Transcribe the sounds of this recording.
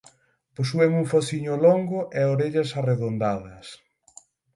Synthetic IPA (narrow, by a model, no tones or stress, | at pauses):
posueŋuŋfoθiɲʊloŋɡʊʔɛoɾeʎɐsareðond̪aðɐs